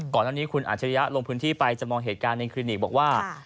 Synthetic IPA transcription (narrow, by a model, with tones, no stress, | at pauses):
kɔː˨˩naː˥˩niː˦˥kʰu˧nʔa̰˨˩t̪̚t͡ɕʰa˧ɾa˦˥ja˦˥ʔlo˧ŋpʰɯː˦˥nt̪ʰiː˥˩pa˧jt͡ɕa˨˩mɔː˧ŋɦeː˨˩t̪̚kaː˧nːa˧kʰliː˧ni˨˩k̚bɔː˨˩k̚waː˥˩